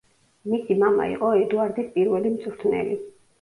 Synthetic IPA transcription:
misimama̰ḭqʼɔɛd̪uaɾd̪ispʼiɾvɛlimt̪sʼuɾt̪ʰnɛ̰li

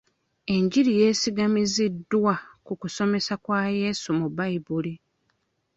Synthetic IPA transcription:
e̞ɲɟiɾije̞ːsiɡamizidːwakukuso̞me̞sakwaːje̞ːsumubaibuli

